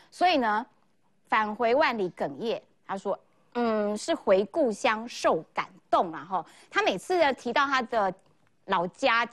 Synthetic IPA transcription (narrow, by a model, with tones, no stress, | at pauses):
swɔ˧˥i˨˩nə˦ | fa˨˩nxwe˧˥ɪwa˥˩nli˨˥kə˨˩ŋjɛ˥˩ | t̪ʰa˥ʂwɔ˦ | n̩˥˩ʂɻ̩˥˩xwe˧˦ɪku˥˨ɕjɑ˦˥ŋʂo˥˨˩ʊka̰˨˩nt̪o˥˨ŋlɐ˨˩ɦɔ˥˩ | t̪ʰa˥me˨˩ɪt͡sʰɹ̩˥˨ə˩t̪ʰi˧˥t̪ɑ˥˩ʊt̪ʰa˥d̪ə˨ | lɑ˧˥ʊt͡ɕja˥